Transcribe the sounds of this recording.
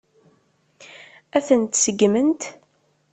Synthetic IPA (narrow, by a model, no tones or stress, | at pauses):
æθənt̪səɡmənt̪